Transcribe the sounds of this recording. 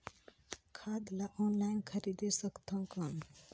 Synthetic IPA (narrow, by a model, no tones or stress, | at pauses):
kʰaːd̪laʔoːnlajnkʰəɾid̪esəkt̪ʰə̃ŋkən